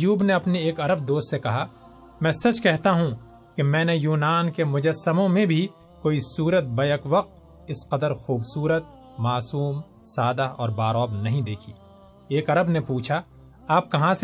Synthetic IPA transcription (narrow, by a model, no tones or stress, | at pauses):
juːbneɐpneeːkɐɾəb̚d̪oːst̪sekɐɦa | mɛ̃ːsɐt͡ʃkɛɦt̪aɦũ | kemɛ̃ːnejuːnaːnkemʊd͡ʒəsːəmõmẽbʱi | koːisuːɾət̪̚bɐjəkʋɐq̚t̪̚ | ɪsqɐd̪əɾxuːbsuːɾət̪̚ | maːsuːm | saːd̪aɔ̰ːɾbaːɾɔːbnɐɦĩd̪eːkʰiː | eːkɐɾəbnepuːt͡ʃʰa | aːp̚kɐɦãs